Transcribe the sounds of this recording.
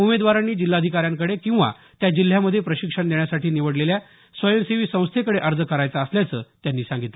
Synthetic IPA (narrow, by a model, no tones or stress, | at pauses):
umed̪ʋaɾanːiːd͡ʑilːad̪ʱikaɾjaŋkəɽekĩw̃ʋa̰ | t̪jad͡ʑil̤ːjaməd̪ʱːjepɾəɕikʂəɳd̪eɳjasaʈʰiːniʋəɽlelja | sʋəjənseʋiːsə̃w̃st̪ʰekəɽeʔəɾd͡zəkəɾajt͡saːsljat͡səːt̪janːiːsãŋɡit̪le